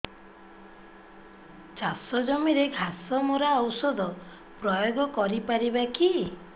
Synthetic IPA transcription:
t͡ʃasɔd͡ʒɔmiɾeɡʱasɔmoɾaɔwsɔd̪ɔ | pɾɔjoɡɔkɔɾipaɾibaki

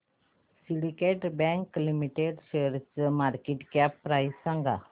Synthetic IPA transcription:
siɽikeʈbɛ̃ŋklimiʈeɖʃeɾt͡ʃmaɾkeʈkɛpːɾaissãŋɡa̰

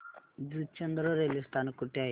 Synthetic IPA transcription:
d͡zut͡ɕənd̪ɾəɾelist̪ankuʈea

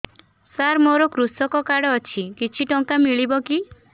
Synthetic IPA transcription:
saɾmoɾɔkɾusɔkɔkaɽɔːt͡ʃʰikit͡ʃʰiʈɔŋkamiɭibɔki

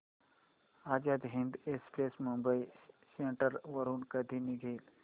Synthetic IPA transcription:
ad͡ʑjad̪ɦiɳd̪espɾesmumbəiseɳʈəɾʋəɾuːnkəd̪ʱiːniɡʱeːl

